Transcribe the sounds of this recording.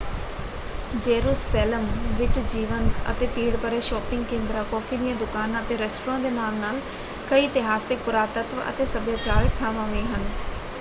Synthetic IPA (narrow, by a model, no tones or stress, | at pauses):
d͡ʒeːɾuːsɛːləmʋɪt͡ʃd͡ʒiːʋənt̪ə̰t̪eːpiːɽpəɾeːʃɔːpɪ̃ŋɡ̚kẽːnd̪ɾaːkɔːfʰiːd̪ijãːd̪ʊkaːnət̪eːɾɛːsʈɾãːd̪eːnaːmnaːl | kəiːt̪ɪɦaːsɪk̚pʊɾaːt̪ət̪ʋə̰t̪eːsəbjaːt͡ʃaːɾək̚t̪ʰaːʋãːʋĩːɦən